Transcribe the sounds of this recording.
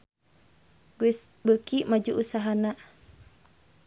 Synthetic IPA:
ɡuis | bəkiʔmad͡ʒuʔusaɦanaʔ

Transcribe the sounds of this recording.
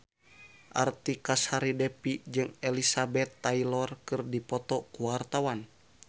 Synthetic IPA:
ʔa̰rt̪ikashaɾidɛpid͡ʒɨŋɛlisabɛt̪ːailɔrkɨrdipɔt̪ɔkuwart̪awan

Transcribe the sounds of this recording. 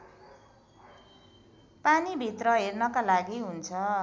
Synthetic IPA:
panibʱit̪rʌɦernʌkalaɡiɦunt͡sʰʌ

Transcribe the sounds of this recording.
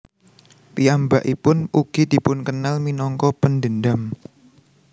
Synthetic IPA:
piambaʔipʊnuɡ̥id̪̥i̤pʊnkənalminɔŋkɔpənd̪ənɖ̪am

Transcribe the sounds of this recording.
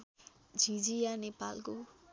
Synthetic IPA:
d͡zʱĩd͡zijanepalko

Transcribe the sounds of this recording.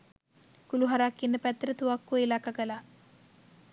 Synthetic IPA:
kuluɦaɾakːinːəpæt̪ɾət̪uʋakːuilakakəla

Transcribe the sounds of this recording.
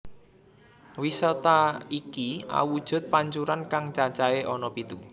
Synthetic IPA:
wisɔt̪aikia̰wud̥ʒ̥ʊ̤t̪̚paɲt͡ʃuɾankaŋt͡ʃat͡ʃaeʔɔnɔpit̪u

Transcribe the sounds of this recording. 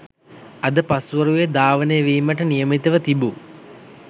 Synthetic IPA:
ɐd̪əpasuʋəɾujed̪aːʋənejəʋiːməʈənijəmit̪əʋət̪ibu

